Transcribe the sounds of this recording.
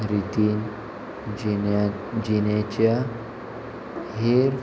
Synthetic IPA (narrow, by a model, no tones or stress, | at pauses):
ɾit̪in | d͡ʑinet͡ɕja | ɦeɾ